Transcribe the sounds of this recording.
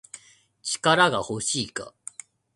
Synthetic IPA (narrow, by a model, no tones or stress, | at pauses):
t͡ɕi̥kaɾaɡaho̞ɕiːka̰